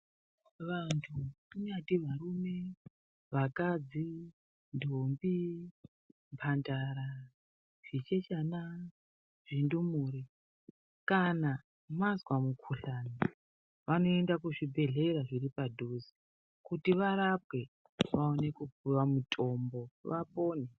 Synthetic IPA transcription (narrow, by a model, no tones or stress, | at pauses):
ʋantʰukuɲatiʋaɾume̞ | ʋakad͡zi | ndʱombi | mpʰandaɾa | ʐ̥it͡ʃet͡ʃana | ʐ̥indumuɾi | kana | mazwamukʰuɬani | ʋano̞e̞ndakuʐibʱe̞ɮe̞ɾaʐiripadʱuzi | kutiʋaɾap̚we̞ | ʋao̞ne̞kub͡vuʋamutʼʰo̞mbo̞ʋapo̞ːne